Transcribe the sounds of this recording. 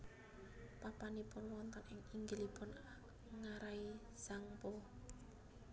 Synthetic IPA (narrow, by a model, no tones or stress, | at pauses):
papanipʊnwɔnt̪ɔnɪŋiŋɡilipʊn | ŋaɾai | sampo